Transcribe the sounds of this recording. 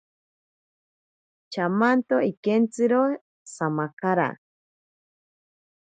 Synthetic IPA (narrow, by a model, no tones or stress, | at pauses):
t͡ʃamant̪oikent͡sɨɾo | samakaɾa̰